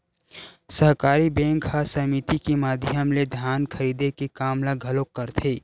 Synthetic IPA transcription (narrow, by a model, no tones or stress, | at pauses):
səɦkaːɾibẽːŋkhasɐmit̪ikimaːd̪ʱɪjəmled̪ʱjaːnkʰəɾiːd̪ekikaːmlaɡʱɐlokːəɾt̪ʰeː